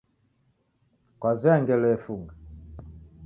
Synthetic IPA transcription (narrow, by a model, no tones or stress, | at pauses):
kwazɛŋɡɛlɛfuŋɡa